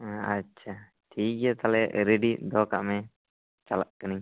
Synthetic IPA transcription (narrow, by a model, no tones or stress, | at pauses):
atːʃʰa | ʈʰiːk̚ɛt̪alɛɾeɖid̪ɔːka̰ʔmɛ | t͡ʃalaʔ̚kəni